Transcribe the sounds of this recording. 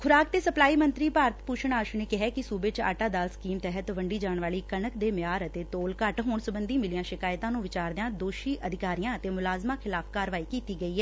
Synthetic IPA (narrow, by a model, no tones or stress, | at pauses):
kʰʊɾaːk̚t̪eːsəplaːiːmənt̪ɾiːpaːɾət̪puːʃəɳaːʃneːkɪɦɛːkɪsuːbeːt͡ʃa̰ːʈaːd̪aːlsə̥kiːmt̪ɛːɦət̪ʋəɳɖiːd͡ʒaːɳʋaːɭiːkənəkd̪eːmɪjaːɾət̪eːt̪oːlkəʈɦoːɳsəbənd̪iːmɪliːãːʃɪkaːɪt̪ãːnũːʋɪt͡ʃaːɾd̪ɪjãːd̪oːʃiːʔəd̪ʱɪkaːɾijãːət̪eːmʊlaːzmãːkʰɪlaːpʰkaːɾʋaːiːkiːt̪iːɡəiːɦɛː